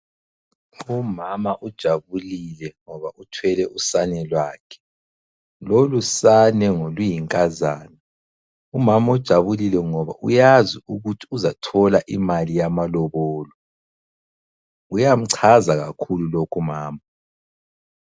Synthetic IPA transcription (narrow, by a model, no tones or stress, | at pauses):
umamaʔud̥ʒ̥ʱaβulilɛŋɔβaʔutʰwɛlɛusanɛlwaːkʰɛ̥ | lolusanɛŋolwijiŋkʼazaːna | umamaud̥ʒ̥ʱaβulilɛŋɔβa̰ʔṵjaziuɣutʰi̥uzatʰɔlaʔimalijamalɔβɔːlɔ | ujam̩ǀʰazaɣakʰululokʰumaːma